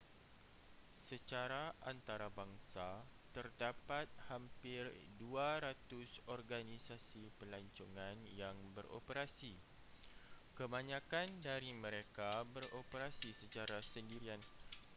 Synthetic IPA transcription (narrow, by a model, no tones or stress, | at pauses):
sət͡ʃaɾaʔant̪aɾabaŋsat̪ərdapat̪̚hampɪrduaɾat̪ʊsɔrɡanisasipəlaɲt͡ʃuŋãnjaŋbəɾo̰pəɾasi | kəmãɲãkandaɾimə̃ɾekabəropəɾasisət͡ʃaɾasəndiɾian